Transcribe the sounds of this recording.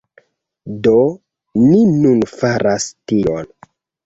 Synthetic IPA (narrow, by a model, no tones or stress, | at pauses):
do | ninunfaɾastion